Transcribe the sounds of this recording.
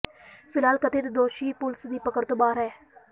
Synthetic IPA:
pʰɪlɦaːlkət̪ɪt̪d̪oːʃiːpʊlsd̪iːpəkəɽt̪oːbaːɾɦɛː

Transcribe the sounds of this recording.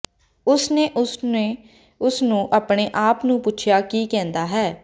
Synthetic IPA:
ʊsneːʔʊeː | ʊsnũːʔaːpɳeːʔaːpnũːpʊt͡ʃʰjaːkiːkɛ̃ːnd̪aːɦɛː

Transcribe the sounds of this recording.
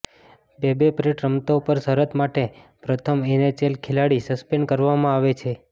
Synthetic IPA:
bebepɾeʈɾəmt̪oupəɾsəɾət̪maʈepɾət̪ʰəmenet͡ʃelkʰelaɽisəspeɳɖkəɾʋamãaʋet͡ʃʰe

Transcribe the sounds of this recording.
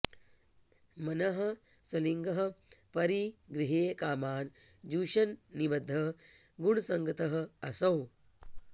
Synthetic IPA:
mɐnɐɦɐ̆ | sɐliŋɡɐɦɐ̆pɐɾiɡɾiɦeːkaːmaːnd͡ʒuːʃɐnːibɐd̪ʱːɐɡuɳ̃usɐŋɡɐt̪ɐɦɐ̆ɐsɐw

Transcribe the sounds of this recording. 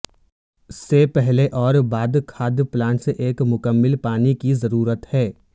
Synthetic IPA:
ɪsːepɛɦleʔɔːɾbaːd̪kʰaːd̪plãːnʈseʔeːkmʊkəmːɪlpaːnikizɐɾuːɾət̪hɛː

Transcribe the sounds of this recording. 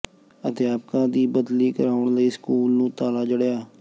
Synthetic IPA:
ət̪eːaːp̚kãːd̪iːbəd̪liːkəɾaːʊɳləiːskuːlnũːt̪aːlaːd͡ʒəɽjaː

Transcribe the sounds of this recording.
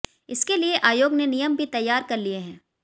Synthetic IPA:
ɪskelieʔaːjoːɡnenijəmbʱit̪ɐjːaːɾkɐɾlieɦɛ̃ː

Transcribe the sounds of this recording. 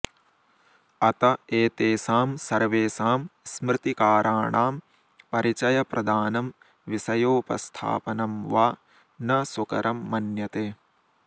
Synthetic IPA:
ɐt̪ɐeːt̪eːsaːmsɐɾʋeːsaːmsmɾɪt̪ikaːɾʔaːɳaːm | pɐɾit͡ʃɐjɐpɾʔɐd̪ʱaːnɐm | ʋisɐjoːpɾɐ̰st̪ʰa̰ːpɐnɐmʋaː | nɐsukɐɾʔɐmːɐnjɐt̪eː

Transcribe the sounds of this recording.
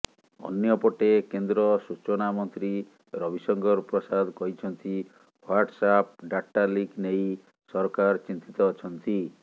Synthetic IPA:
ɔ̰njɔpɔʈekend̪ɾɔsut͡ʃɔnamɔnt̪ɾi | ɾɔbʱisɔŋɡɔɾpɾɔsad̪ʱkɔɦit͡ʃʰɔnt̪i | waɾʈsap̚ɖaʈːaliknej | sɔɾɔkaɾt͡ʃint̪it̪ɔːt͡ʃʰɔnt̪i

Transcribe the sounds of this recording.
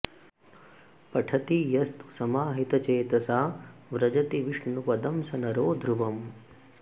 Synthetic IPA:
pɐʈʰɐt̪ijɐst̪u̥sɐmaːɦit̪ɐt͡ʃeːt̪ɐsaːʋɾɐd͡ʒɐt̪iʋiʂɳupɐd̪ɐmsɐnɐɾoːd̪ʱɾuʋɐm

